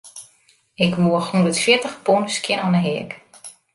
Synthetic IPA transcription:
ɪkʋuəxundətfjɪtəxponskjɪnɔnəɦɪək

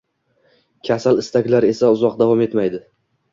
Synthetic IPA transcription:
kʲʰasalɪst̪akʲlaɾe̞saʊzɒqd̪avɒme̞t̪majd̪ɪ

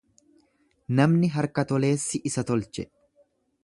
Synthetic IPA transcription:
nɐmnɪɦɐɾkɐt̪ɔle̞ːsːɪʔɪsɐt̪ɔlt͡ʃɛ

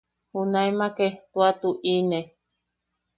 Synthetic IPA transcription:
hunaemaket̪uat̪uʔine

